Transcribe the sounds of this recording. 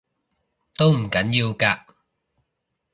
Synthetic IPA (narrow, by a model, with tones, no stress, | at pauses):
t̪o˥wm̩˨˩kɐ˨˥njiː˧wkaː˧